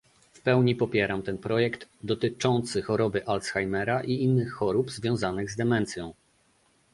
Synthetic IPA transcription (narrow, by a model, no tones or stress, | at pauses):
fpɛwɲipɔpʲjɛɾamt̪ɛnpɾɔjɛkd̪d̪ɔt̪ɘt͡ʂɔnt̪sɘxɔɾɔbɘʔalsxajmɛɾaʔiinːɘxːɔɾubzvʲjɔ̃w̃zanɘɣzd̪ɛmɛnt̪sʲjɔ̃w̃